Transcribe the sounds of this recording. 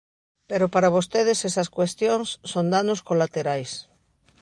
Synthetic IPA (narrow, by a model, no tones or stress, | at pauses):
peɾopaɾaβost̪eðɪsesɐskwest̪joŋsːond̪anoskolat̪eɾajs